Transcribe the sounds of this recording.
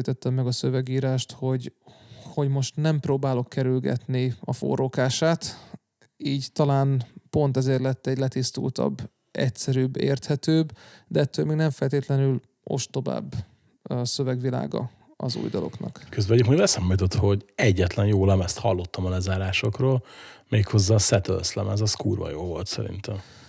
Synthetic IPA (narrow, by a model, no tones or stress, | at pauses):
jt̪ɛt̪ːɛmːɛɡɒsø̞vɛɡiːɾaːʃt̪ho̞ɟho̞ɟmo̞ʃt̪nɛmproːbaːlo̞kːɛɾylɡɛ̰t̪niɒfo̰rokaːʃaːt̪ | iːɟt̪ɒlaːnpo̞n̪t̪ɛzeːrlɛt̪ːɛɟlɛt̪ist̪ṵːlt̪ɒ̰bː | ɛ̰csɛɾyːbːḛːrt̪hɛt̪øːbd̪ɛɛt̪ːøːlmeːɡnɛɱfɛlt̪eːt̪lɛnyl | ʔo̞̰ʃt̪o̞va̰ːbː | sø̞vɛɡʋila̰ːɡɒ̰ | ɒzṵːjd̪ɒlo̞̰knɒ̰kkøzbɛɛɟikmolɛsaːmit̪o̞t̪ho̞ɟɛɟːɛt̪lɛnjoːlɛmɛst̪hɒlːo̞t̪ːɒmɒlɛzaːɾaːʃo̞kroːlmeːkho̞zːɒːsɛt̪ø̰lslɛ̰mɛzɒskuːrvɒ̰joːlvo̞lt̪sɛ̰ɾḭnt̪ɛm